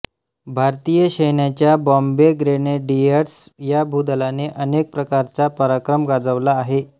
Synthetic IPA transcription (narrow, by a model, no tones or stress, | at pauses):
bʱaɾt̪ijəɕəjɳjat͡ɕjabɔmbeɡɾeneɖieɾsjabʱud̪əlaneʔənek̚pɾəkaɾt͡sapəɾakɾəmɡad͡zəʋlaːɦe